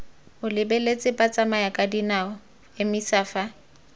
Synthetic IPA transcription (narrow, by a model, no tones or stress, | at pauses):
ʊlɪbelet͡sʼɪpʼat͡sʼamajakʼadinaʊ | ɪmisaːfa